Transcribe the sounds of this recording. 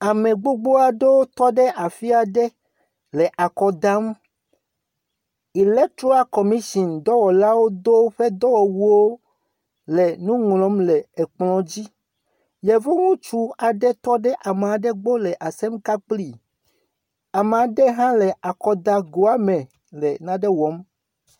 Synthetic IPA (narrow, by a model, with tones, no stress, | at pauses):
a˨mẽ˨ɡ͡bo˦ɡ͡bo˦a˨ɖe˦wo˦t̪ɔ˦ɖɛ˦ʔa˨fi˦a˨ɖɛ˦ | lɛ˨ʔa˨kɔ˨d̪a˦m | i˨lɛ˦t̪ɾo˦a˦kɔ˨mĩ˦ʃi˨nd̪ɔ˦wɔ˨la˦wo˦d̪o˦ɸe˦d̪ɔ˦wɔ˨wu˦wo˦ | lɛ˨nũ˦ŋlɔ̃˨˦mlɛ˨ɛ˨k͡plɔ̃˨d͡ʑi˦ | jɛ˨vo˦ŋũ˦t͡ʃu˦a˨ɖɛ˦t̪ɔ˦ɖɛ˦ʔa˨m˨a˨ɖɛ˦ɡ͡bo˦lɛ˨ʔa˨sɛ˦mka˦k͡pli˨ | a˨me˨a˨ɖɛ˦ɦã˦lɛ˨ʔa˨kɔ˨d̪a˦ɡo˨a˦mɛ̃˨ | lɛ˨nã˨ɖɛ˦wɔ˨˦m